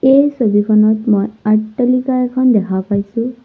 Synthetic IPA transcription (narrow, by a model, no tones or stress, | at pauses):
ejsobikʰɔnɔtmojatːɔlikaɛkʰɔndɛkʰapajsʊ̃